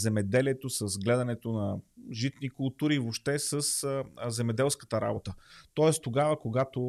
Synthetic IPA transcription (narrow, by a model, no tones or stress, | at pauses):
zɛmɛd̪ɛliɛt̪osəzɡlɛd̪ɐnɛt̪onɐʒit̪nikʊlˠt̪uɾivoʃt̪ɛsəszɛmɛd̪ɛlˠskə̥t̪əɾa̰bot̪ət̪ɔɛst̪oɡavəkoɡat̪o